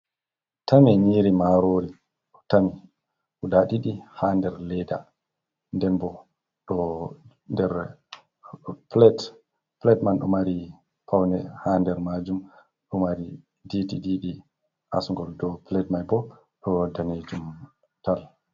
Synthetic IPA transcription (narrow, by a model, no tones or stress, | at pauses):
tamɛɲiːɾimaɾoɾi | ɔtami | ʔuɗaɗiɗihandɛɾlɛda̰ | ndɛnbɔ | ɗɔ | ndɛɾ | plɛt | plɛtmanɗɔmaɾi | pʰawnɛhandɛɾmad͡ʒum | ɗɔmaɾi | didiɗiɗi | ʔa̰suŋɡɔldɔplɛtmajbɔ | ɗɔdaned͡ʒum | tal